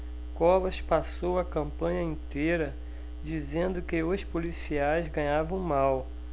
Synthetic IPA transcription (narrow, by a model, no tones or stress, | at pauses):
kɔvɐʃpasowɐkɐ̃mpɐ̃ɲɐĩnt̪ejɾɐ | d͡ʒizẽnd̪ʊkɪospolisiajzɡɐ̃ɲavɐ̃w̃maw